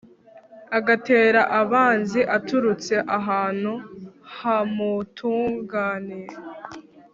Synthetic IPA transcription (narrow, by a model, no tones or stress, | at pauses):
aɡate̞ːɾaʔaβaːnziʔatuɾut͡se̞ʔaɦaːn̥huhamutʰuːŋɡaːniɾe